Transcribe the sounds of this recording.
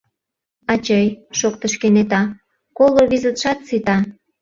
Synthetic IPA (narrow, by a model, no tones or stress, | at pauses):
ɑt͡ɕəjʃokt̪əʃkenet̪ɑ | koloβizət̪ʃɑt̪sit̪ɑ